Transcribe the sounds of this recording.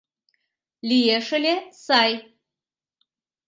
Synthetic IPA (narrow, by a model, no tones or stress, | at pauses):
lʲijeʂɨlʲesaj